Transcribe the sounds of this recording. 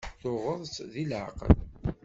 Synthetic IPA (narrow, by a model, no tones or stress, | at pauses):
θʊʁəðˤsðilʕ̰qə̰l